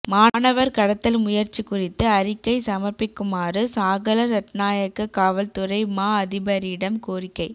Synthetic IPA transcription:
maːnɐʋɐɾkɐɽɐt̪ːɐlmʊjɐɾt͡ʃːikʊrɪt̪ːɯɐɾɪkːɐɪsɐmɐɾpɪkːɯmaːrɯsaːɣɐlɐɾɐʈnaːjɐkːɐkaːʋɐlt̪ʊɾɐɪmaːɐðɪbɐɾiɪɽɐmkoːrɪkːɐɪ

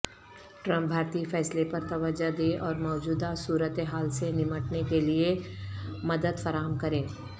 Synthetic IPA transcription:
ʈɾɐ̃mp̚bʱaːɾt̪iːfɛːslepɐɾt̪ɐʋəd͡ʒad̪ẽʔɔːɾmɔːd͡ʒuːd̪asuːɾət̪ɦaːlsenɪməʈnekelie | mɐd̪əd̪fɐɾaːɦəmkɐɾẽː

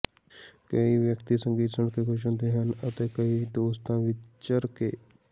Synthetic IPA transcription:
kəiʋjəkt̪isə̃ŋɡiːt̪səɳkekʰʊʃə̃nd̪eɦənət̪ekəid̪oːst̪ãʋɪt͡ʃəɾkeː

